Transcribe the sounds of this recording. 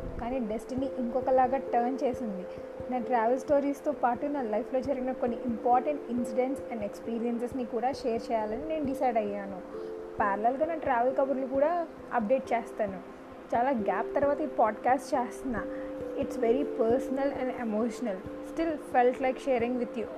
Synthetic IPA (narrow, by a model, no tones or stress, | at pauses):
kaːniːɖesʈiniʔiŋkɔkɐlaːɡaːʈɐɾnt͡ʃeːsind̪i | naːʈɾaːʋelsʈoːɾiːst̪oːpaːʈunaːlɐjpʰlo̞ːd͡ʒɐɾɡinɐkonːiʔimpaːɾʈɐɳʈinsiɖenʈsɛ̃ɳɖekspiːɾijɐnsesnikuːɽaːʃeːɐɾt͡ʃɛːjaːlɐnine̞ːnuɖisɐjɖɐjːaːnu | paːɾlɐlɡaːnaːʈɾaːʋelkɐʋɐɾlukuːɽaː | ɐ̰p̚ɖe̞ːʈ̚t͡ʃeːst̪aːnu | t͡ʃaːlaːɡaːp̚t̪ɐɾʋaːt̪ɐipaːɖkaːsʈt͡ʃeːst̪unːaːiʈsʋeɾipɐɾsɐnɐlɛ̃ɳɖemoːʃɐnɐlsʈilfelʈlɐjkʃeːɐɾiŋɡʋid̪ju